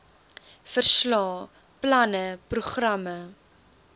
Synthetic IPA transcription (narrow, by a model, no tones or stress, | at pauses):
fərslɑː | plɐnəpruχrɐmə